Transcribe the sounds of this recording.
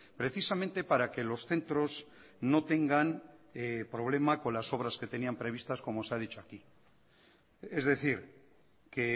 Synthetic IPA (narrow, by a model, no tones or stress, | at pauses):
pɾe̞θisamẽnt̪e̞paɾake̞lo̞sθe̞nt̪ɾo̞z | no̞t̪e̞ŋɡanepɾo̞β̞le̞mako̞nlaso̞β̞ɾaske̞t̪e̞niampɾe̞β̞ist̪asko̞mo̞seað̞it͡ʃoaki | ezðe̞θiɾ | ke